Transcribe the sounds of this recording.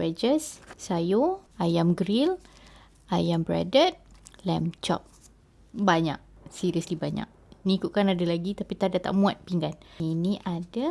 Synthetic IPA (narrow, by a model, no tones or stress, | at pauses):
bɛd͡ʒəssajoajamɡɾil | ajambɾa̰dət̪̚lɛmt͡ʃɔ̰p̚ | baɲa̰k̚siɾiəslibaɲa̰k̚nikuʔkanadalaɡit̪apit̪adat̪a̰ʔmũat̪̚piŋɡaniniʔada